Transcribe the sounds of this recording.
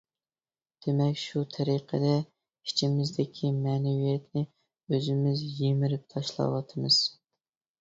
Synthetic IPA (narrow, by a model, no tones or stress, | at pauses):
d̪̥emɛkʲʃut̪ʰɛɾiqʰəd̪ɛ | i̥t͡ʃʰimɪzd̪ɪkʲʰimɛːnɛwijɛt̪nɪ | øzɪmɪzjemɪɾɪp̚t̪ʰɑʃlˠɑ̰wɑt̪ʰɨmɨz̥